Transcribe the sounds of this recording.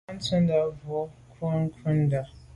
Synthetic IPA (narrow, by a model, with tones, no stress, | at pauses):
n̩˦tʰʊ̃˦nda˨vɔ˦kʰu˦ŋ˦kʰʊ̃˦nda˨